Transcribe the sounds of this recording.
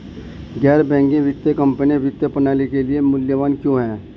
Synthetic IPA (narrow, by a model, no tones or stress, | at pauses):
ɡɛːɾbɛ̃ːŋɡẽʋɪt̪jəkɐ̃mpəniʋɪt̪jəpɐnaːlikeliemʊljəʋaːnkjõːɦɛ̃ː